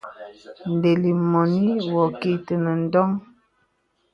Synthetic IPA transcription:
n̩˨de˨li˨mɔ˨ni˦wɔ˨ki˨tə˨nə˨n̩˦dɔ˦ŋ

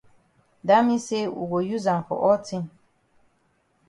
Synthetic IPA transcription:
da˦mĩ˦se˦wṵ˨ɡo˨ju˦zã˨fɔ̰˨ʔɔ˦tʰĩ˦

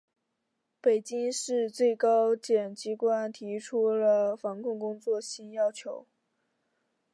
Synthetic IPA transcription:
pe˨˩ɪt͡ɕi˥ŋʂɻ̩˥˧t͡swe˥˩ɪkɑ˥ʊt͡ɕjɛ˨˩nt͡ɕi˧˥kwa˥nt̪ʰi˧˥ʈ͡ʂʰu˥lə˨fɑ˧˥ŋkʰʊ˥˩ŋkʊ˥ŋt͡swɔ˥˩ɕi˥njɑ˥ʊt͡ɕʰjo˧˥ʊ

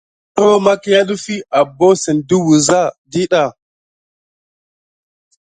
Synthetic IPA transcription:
to˦ma˦ki˦ja˦ɗu˦fi˦a˨bo˦sɛ˨ndu˦wu˨za˦˨di˦ɗa˨

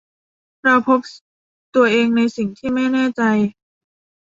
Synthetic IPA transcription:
ɾa˧wpʰo˦˥p̚ | t̪u˧ɐʔeː˧ŋna˧jsi˨˩ŋt̪ʰiː˥˩ma˥˩jnɛː˥˩t͡ɕa˧j

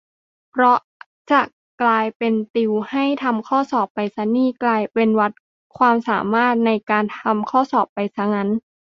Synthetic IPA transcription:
pʰɾɔ˦˥ | t͡ɕa˨˩ | klaː˧jpe˧nt̪i˧wha˥˩jt̪ʰa˧mkʰɔː˥˩sɔː˨˩pːa˧jsa˧˥niː˥˩klaː˧jpe˧nwa˦˥t̪̚ | kʰwaː˧msaː˩˦maː˥˩t̪̚na˧jkaː˧nt̪ʰa˧mkʰɔː˥˩sɔː˨˩pːa˧jsʰa˦˥ŋa˦˥n

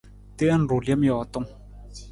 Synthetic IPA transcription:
t̪e˦a˦n̩˨ɾu˨ljmjɔ˨t̪o˦ŋ

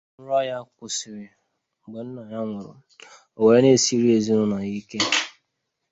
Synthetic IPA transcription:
ɾɔ˦ja˦kʊ˨si˨ɾɪ˨ | ŋ͡m̩˨ɡ͡be˨n̩˦na˨ja˦ŋʷʊ˨ɾʊ̰˨ | o˨we˨e˦ne˦˨si˦ɾi˦e˨zi˦ɾʊ˦na˨i˦ke˦

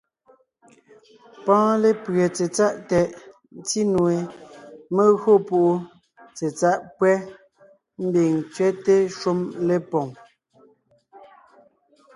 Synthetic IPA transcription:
pãː˦le˦pɰe˨t͡se˨t͡sa˦ʔtɛ˨ʔ | n̩˦t͡si˦nwe˨me˦ɣo˦po˦ʔo˦ | t͡se˨t͡sa˦ʔpwɛ˦ | m̩˦bi˨ŋt͡sɥɛ˦te˦ʃu˦mle˦pɔ˨ŋ

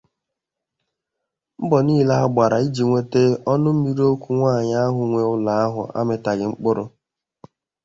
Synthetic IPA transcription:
m̩˦bɔ˨niː˦˨la˦a˦ɡ͡ba˨ɾa˨i˦d͡ʒi˨ŋʷe˦te˦ɔ˦nʊ˦m̩˦mi˦ɾo˦kʷu˦ŋʷaː˦˨ɲa˦a˦ɦʊ˨ŋʷe˨ʊ˦la˨a˦ɦʊ̰˨a̰˦mɪ˨ta˨ɡɪ˨ŋ͡m̩˦k͡pʊ˦ɾʊ˦

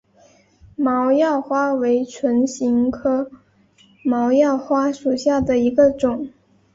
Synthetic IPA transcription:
mɑ˧˥ʊjɑ˥˩ʊxwa˥we˧˥ɪʈ͡ʂʰwə˧˥nɕi˧˥ŋkʰɤ˥ | mɑ˧˥ʊjɑ˥˩ʊxwa˥ʂu˨˩ɕja˥˩d̪ə˩i˧˥ɡə˧ʈ͡ʂʊ˨˩˦ŋ

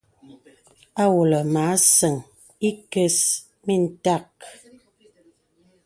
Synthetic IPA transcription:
a˦wu˨lə˨maː˨˦sə˨ŋ | i˦kə˦s | mi˦˨n̩˨ta˦˨k

